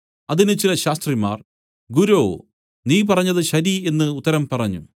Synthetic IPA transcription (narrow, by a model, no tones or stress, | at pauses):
ɐðinɨt͡ɕilɐɕaːst̪rima̰ːr | ɡuɾoː | niːpɐrɐɲːɐðɨɕɐɾie̞nːɨut̪ːɐɾɐmpɐrɐɲːṵ